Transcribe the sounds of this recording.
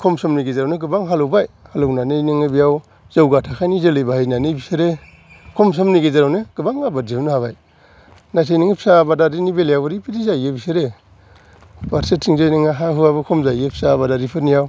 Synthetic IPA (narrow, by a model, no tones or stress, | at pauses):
kʰɔmsɔmniɡezaɾawneɡɯbaŋɦalowbajhalownanejniŋɯbijaw | zawɡatʰakʰajnizelɯjbahajnanɯbiseɾe | kʰɔms̬ɔmniɡezaɾawnɯɡ̥ɯbaŋabad͡ʒinɯhaβaj | najtʰajniŋipʰi̥sabadaɾinibeljawaɾipʰiɾizajɡebiseɾe | baɾsetʰːiŋzajniŋaɦaɦɯaβɯkʰɔmzajɡepʰi̥sabadaɾipʰɯɾnijaw